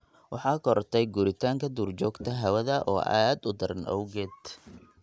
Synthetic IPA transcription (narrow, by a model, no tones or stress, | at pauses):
wɑħɑːkʰɔɾt̪ʰɛjɡuɾɪt̪ʰaːŋkʰɐd̪uːrt͡ʃɔːɡt̪ʰɐɦɐwɐðɐʔɔːʔa̰ːd̪ʊd̪ɐɾɐnɔ̰wɡɛːd̪